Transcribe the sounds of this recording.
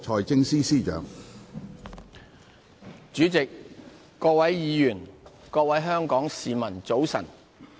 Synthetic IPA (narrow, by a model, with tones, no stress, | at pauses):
t͡ʃʰɔː˨˧jt͡sɪ˧ŋsiː˥siː˥˩t͡ʃœ̰ː˨˧˥ŋ | t͡ʃyː˨˥t͡sɪ˨kː | ɔː˧k̚wɐ˨˥jjiː˨˧jyː˨˩nkɔː˧k̚wɐ˨˥jɦœː˥ŋkɔː˨˥ŋsiː˨mɐ˨˩nt͡so˨˥wsɐ̰˨˩n